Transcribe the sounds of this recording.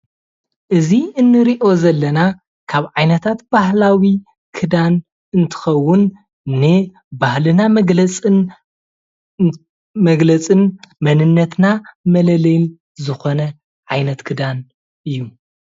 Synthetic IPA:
ʔɨziɨnːɨɾiʔo̞zɐlːɐna | kʰaβʕajnɐt̪ʰat̪b̥ahlawi | kʰɨd̪an | ɨnt̪ʰɨ̥xɐwːʊnː | ɨ | bahlɨnamʼ | mɐɡlɐt͡sʼɨnmɐnɨnːɐt̪namɐlɐlɐjn | zɨxo̞nɐ | ʕajnɐt̪kʰɨd̪an | ʔɨjːu

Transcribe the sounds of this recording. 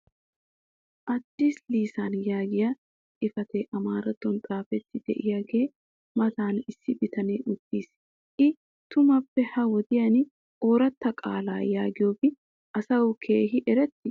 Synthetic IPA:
ʔɐd̪ːiːsliːsaːnjaːɡɪjɐ | ʔɪfɐt̪eːʔɐmaːɾɐt̪ːɔnt̪ʼaːfɛt̪ːɪd̪̥ɛ̰ʔɪjaːɡe̞ː | mɐt̪aːnɪsːɪbɪt̪ɐneːʔʊd̪ːiːs | ʔɪ | t̪ʊmɐpːɛhɐwɔd̪ɪjɐn | o̞ːɾɐt̪ːɐkʼa̰ːla̰ːjaːɡɪjo̞ːbɪ | ʔɐsɐwkʰe̞ːɦɪʔɛɾɛt̪ːɪ

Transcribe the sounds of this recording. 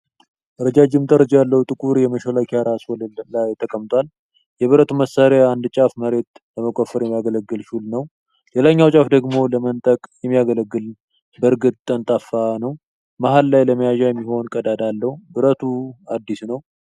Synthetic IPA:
ʔɨɾəd͡ʒad͡ʒɪmt̪ʼəɾəd͡ʒjalːəhut̪ʼɨkʼuɾjɛməʃolakʰjaɾaswɔlajt̪ʰəkʼəmt̪ʰʼʷal | jɛβɨɾət̪ʰuməsːaɾaːnd̪t͡ʃʼafməɾe̞t̪ləməkʼofːəɾjɛmːijaɡələɡːɨlʃulnəw | le̞laɲːawt͡ʃʼafd̪əɡmo̞ləmənt̪ʼəkʼjɛmːijaɡələɡːɨl | bəɾɡɨt̪̚ʼt̪ʼːənt̪ʼafːanəw | maɦalːajləməjaʒajɛmːiho̞nkʼəd̪ad̪alːəhubɨɾət̪ʰuad̪ːisnəw

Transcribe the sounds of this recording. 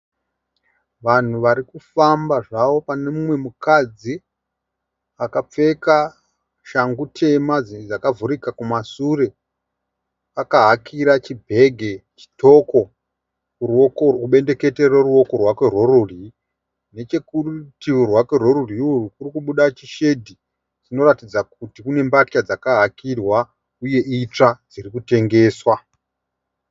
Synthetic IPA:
ʋan̤uʋaɾikufambaʐaʋo̞pane̞mumwe̞mukad͡zi | akap͡fe̞ka | ʃaŋɡutʰe̞mad͡zd͡zakavuɾikakumasuɾe̞ | akaɦakʰiɾat͡ʃibʱe̞ɡʱe̞t͡ʃi̥tʰo̞ko̞ | uuɓe̞nde̞ke̞tereruwo̞ko̞rwakwe̞rwo̞ruri | ne̞t͡ʃe̞kurutiwurwakwe̞roɾuriuukurikuɓuɗat͡ʃiʃe̞dʱi | d͡zino̞ratid͡zak̚utikune̞mbatcad͡zakaɦakirwa | uje̞it͡ʂad͡zirikute̞ŋɡe̞ːswa

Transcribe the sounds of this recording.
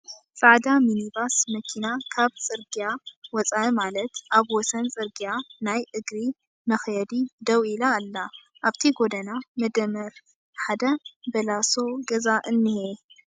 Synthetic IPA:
t͡sʼaʕd̪aminibasmɐkʰinakʰaβt͡sʼɨɾɡijawɔt͡sʼaimalɐt̪ʔaβwɔsɐnt͡sʼɨɾɡijanajʔɨɡɾi | mɐxjɐd̪id̪ɐwilaːlːa | ʔaβt̪ʰiɡod̪ɐnamɐd̪ɐmɐɾ | ħad̪ɐbɐlaso̞ɡɐzaʔɨnːɨhe

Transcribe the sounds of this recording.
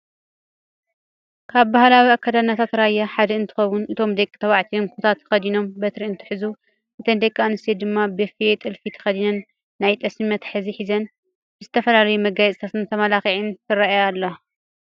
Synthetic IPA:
kʰaβbahlawiakʰːad̪anːat̪ʰat̪ɾajːaħad̪ɐɨnt̪ʰɨ̥xɐwunɨt̪ʰo̞md̪ekʼːɨt̪ʰɐwaʕt̪ʰijomkʰut̪ʰat̪ʰːxɐd̪ino̞mbɐt̪ɾiɨnt̪ʰɨ̥ħɨzu | ʔɨt̪ʰɐnd̪ekʼːanɨsed̪ɨmːabɨfijet̪ʼɨlfit̪ʰɐ̥xɐd̪inɐnː | ajt̪ʼɐsmimɐt̪ħɨziħizɐn | bɨzɨt̪ʰɐfɐlalɐjumɐɡajsʼt̪ʰat̪ɨnt̪ʰɐmalaxiʕint̪ʰɨɾaajalːɐ

